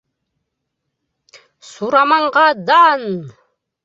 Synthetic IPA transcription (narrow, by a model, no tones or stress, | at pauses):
suɾamɑɴʁɑd̪an